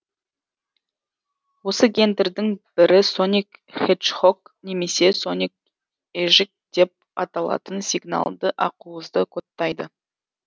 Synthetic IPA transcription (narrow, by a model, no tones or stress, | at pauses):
wo̞səɡʲe̞nd̪ɪɾd̪ɪŋb̥ɪɾɪso̞nʲikχet̪ʃχok | ne̞me̞se̞so̞nik̚ | eʒɪk̚d̪̥e̞p̚ɑt̪ɑlˠɑ̰t̪ənsʲiɡna̰lˠd̪əʔɑquəzd̪əkʰot̪ːɑjd̪ə̰